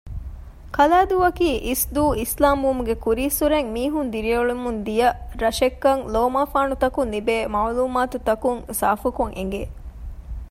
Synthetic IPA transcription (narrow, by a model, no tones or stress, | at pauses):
kɐlaːd̪uːɐkiːʔisd̪uːislaːmuʋɐmuɡekuɾiːsuɾeŋmiːɦund̪iɾiuɭumund̪ijɐɾɐʃekːɐŋloːmaːfaːnut̪ɐkunlibeːmaːluːmaːt̪ut̪ɐkuŋsaːfukuŋʔḛŋ̆ɡeː